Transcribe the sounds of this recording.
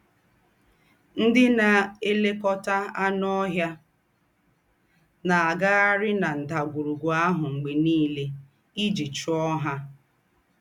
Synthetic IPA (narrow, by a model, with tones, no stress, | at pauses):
n̩˦dɪ˦na˨e˦le˦kɔ˦ta˦a˦nɔ˦ɦja˦ | na˨a˨ɡa˦a˦ɾɪ˦na˨n̩˨da˨ɡʷu˨ɾu˨ɡʷɔ˨a˦ɦʊ˨ŋ͡m̩˨ɡ͡be˨niː˦le˦ | i˦d͡ʒi˨t͡ʃʊ˦ɔ˦ɦa˦